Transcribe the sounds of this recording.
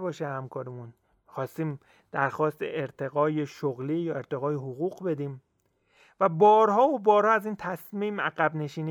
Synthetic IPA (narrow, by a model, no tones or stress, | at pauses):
bɒːʃehæmkʰɒːɾemun | xɒːst̪iːm | d̪̥æɾxɒːst̪ḛʔeɾt̪ʰe̞ɣɒːjeʃoɣliːjɒːe̞ɾt̪ʰe̞ɣɒːjeɦoɣuːɣbe̞d̪iːm | væbɒːɾhɒːobɒːɾhɒːæziːnt̪ʰæsmiːmæɣæbne̞ʃiːni